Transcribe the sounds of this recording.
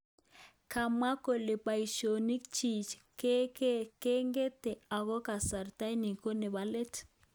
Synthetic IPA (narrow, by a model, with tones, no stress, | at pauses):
ka˨ma˦ko˨le˨pa˨i˨ʃo˨ni˦kt͡ʃi˨t͡ʃke˦ke˦ke˦ŋɡe˦te˨a˨ɣɔ˦ka˨sa˨ɾta˦ni˨ko˦ne˨βa˨˦le˦t